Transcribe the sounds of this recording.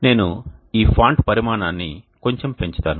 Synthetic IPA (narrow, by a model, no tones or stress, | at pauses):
ne̞ːnuiːpʰaːɳʈpɐɾimaːnaːnːi | ko̞ɲt͡ʃe̞mpeɲt͡ʃi̥t̪aːnu